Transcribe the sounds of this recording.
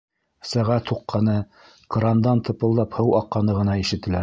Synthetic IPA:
sæʁæt̪huqːɑnɤ | kɾɑnd̪ɑnt̪ɤ̆pɤ̆lˠd̪ɑphɤwɑqːɑnɤʁɤ̆nɑiʃɘ̆t̪ɘ̆læɾ

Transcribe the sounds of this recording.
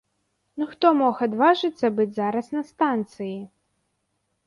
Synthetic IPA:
nuxt̪ɔmɔxad̪vaʐɨt̪sːɐbɨd͡zʲzaɾɐsnɐst̪ant̪sɨji

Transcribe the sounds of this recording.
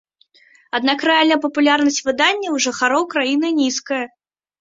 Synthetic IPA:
ad̪nakrɨalʲnɐjpɐpulʲarnɐsʲt͡sʲvɨd̪anʲːɐwʐɨxaɾɔwkɾajinɨnʲiskɐjɐ

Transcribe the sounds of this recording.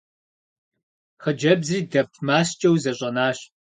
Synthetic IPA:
χəd͡ʒɐbzriːdɐb̚tʰmaːst͡ʃʼɐwzɐɕʼɐnaːɕ

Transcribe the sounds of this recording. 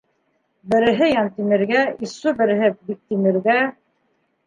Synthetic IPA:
bɘ̆ɾɘ̆ɦɘjɑnt̪imɘ̆ɾɡæisːubɘ̆ɾɘ̆ɦɘbik̚t̪imɘ̆ɾɡæ

